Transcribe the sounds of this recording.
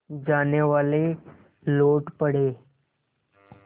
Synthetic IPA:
d͡ʒaːneʋaːle | loːʈpəɽ̤eː

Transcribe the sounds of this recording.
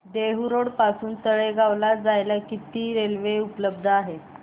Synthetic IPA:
d̪eɦuɾoɽpasuːnt̪əɭeɡaʋlad͡zajlakit̪iːɾelʋeupələb̚d̪ʱəaɦe

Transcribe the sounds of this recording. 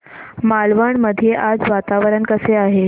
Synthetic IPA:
malʋəɳməd̪ʱijeʔad͡zʋat̪aʋəɾənkəseaɦe

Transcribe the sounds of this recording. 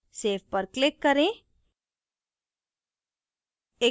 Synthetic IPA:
seːfpəɾklɪkːəɾẽ | e

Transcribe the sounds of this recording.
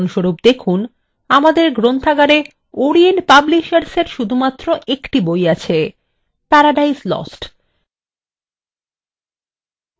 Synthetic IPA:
nʃoɾup̚d̪ekʰun | amad̪eɾɡɾont̪ʰaɡaɾe | oɾienʈpabliʃaɾseɾʃud̪ʱumat̪ːɾoʔekʈibojat͡ɕʰe | pɛɾaɖaislɔ̰sʈ

